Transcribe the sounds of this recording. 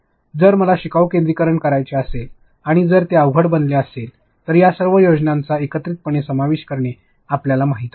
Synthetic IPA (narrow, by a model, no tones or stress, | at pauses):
d͡zəɾməlaɕikawkẽnd̪ɾikəɾəɳkəɾajt͡ɕeəsel | aɽ̃id͡zəɾt̪eəʋɡʱəɽbənleəsel | t̪əɾjasəɾʋəjod͡ʑnãnt͡saekət̪ɾit̪̚pəɳ̃esəmaʋeɕkəɾɳe | apljalamaɦit̪